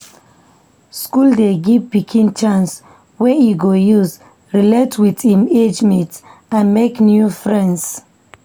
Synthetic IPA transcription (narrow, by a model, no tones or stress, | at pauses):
skuldeɡivpikʰĩnt͡ʃãns | wɛjiɡojuz | ɹiletʰwidhĩmed͡ʒmɛ̃ntãnmeknjufɹɛ̃nds